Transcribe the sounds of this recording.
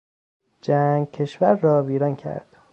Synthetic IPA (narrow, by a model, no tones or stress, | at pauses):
d͡ʒæːŋɡcʰe̞ʃvæɾːɒːviːɾɒncʰæ̰ɾd̪̥